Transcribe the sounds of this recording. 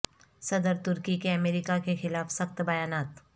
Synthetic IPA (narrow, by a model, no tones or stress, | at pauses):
sɐd̪əɾt̪ʊɾkikeɐmeːɾɪkakexɪlaːfsɐxt̪bɐjaːnaːt̪